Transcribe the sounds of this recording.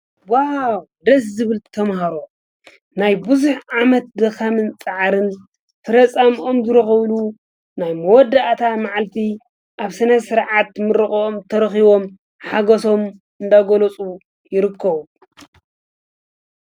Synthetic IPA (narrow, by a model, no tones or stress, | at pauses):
waad̪ɐs̬zɨβɨlt̪ʰɐmhaɾo̞ | najbɨzuħʕamɐt̪̚d̪ɐxɐmɨnt͡sʼaʕɾɨn | fʰɐɾɐt͡sʼamʔo̞mzɨɾɐxɐβlu | najmɐwɔd̪ːaʔt̪ʰamaʕalt̪ʰi | ʔaβsɐnɐsɨɾʕat̪mɨɾɨxʼomt̪ʰɐɾxiβo̞m | ħaɡɐso̞m | ɨnd̪aɡolot͡sʼu | jɪɾɨkʰːɐβu